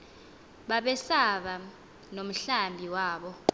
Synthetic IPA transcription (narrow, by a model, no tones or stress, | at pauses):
ɓaɓɛsaɓa | nom̩ɬambʱiwaːɓɔ